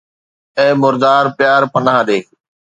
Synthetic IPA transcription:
ɛ̃ːmʊɾd̪aːɾpɪjaːɾpənãːɗeː

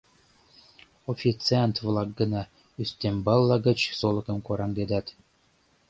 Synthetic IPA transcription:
ofʲit͡sɨant̪vlˠɑk̚ɡɤ̆nɑ | yst̪embɑlˠːɑɡə̆t͡ɕsolˠɤ̆kɤ̆mkoɾɑŋd̪ed̪ɑt̪

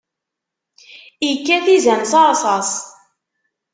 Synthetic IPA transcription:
ikːæθizæmsɑɾˤsˤɑs

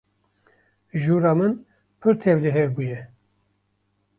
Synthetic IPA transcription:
ʒuːɾɑːmɨn | pʰɨɾt̪ʰɛvd̪ɨɦeɾbuːjɛ

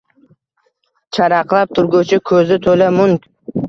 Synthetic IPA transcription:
t͡ʃʰaɾɑqlˠap̚t̪ʰʊɾɡut͡ʃʰɪkʲʰɵzɪt̪ʰolamʊŋkʲ

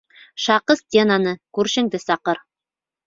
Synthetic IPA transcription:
ʃɑqɤst̪ʲenanɤkʉɾʃɘ̆ŋd̪ɘsɑqɤɾ

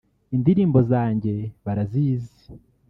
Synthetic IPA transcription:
indiɾiːmbo̞zaːɲɟe̞βaɾaziːzi̥

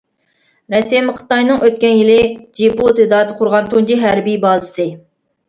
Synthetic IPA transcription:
ɾɛsɛmχɨ̥t̪ɑjnɨŋʔøt̪̚kʲɛnjilɪd͡ʒiput̪ɨd̪ɑːd̪ɨqʰʊɾʁɑnt̪ʰund͡ʒiɦæɾbijbɑːzɨsɨ

